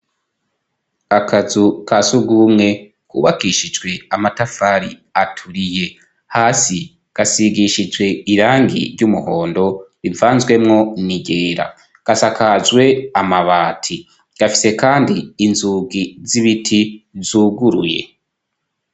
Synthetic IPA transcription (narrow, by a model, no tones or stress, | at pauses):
akazukʰasuɡumŋe̞ | kuːβakiʃid͡ʒɡwe̞amatafaɾi | atʰuɾije̞ | haːsi | ɡ̥asiɡiʃid͡ʒwe̞iɾaːŋɡḭɾɟumuho̞ːndo̞ɾivaːnzwe̞mŋo̞niɟe̞ːɾa̰ | ɡ̥asakazwe̞amaβaːtʰi | ɡ̥afi̥se̞kaːndiːnzuːɡiziβitʰizuːɡuɾuje̞̰